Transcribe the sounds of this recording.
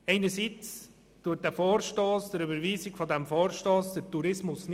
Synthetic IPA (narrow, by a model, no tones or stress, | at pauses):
ɛɪnəɾsiːt͡s | tuət̚d̥æfoːɾʃtoːsd̥əɾybəɾʋiːsɪɡfɔdɛmfɔːɾʃtoːsd̥ətuɾɪsmʊsn